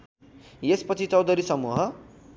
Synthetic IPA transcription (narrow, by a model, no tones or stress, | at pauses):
jespʌt͡sʰit͡sʌwd̪ʌɾisʌmuɦʌ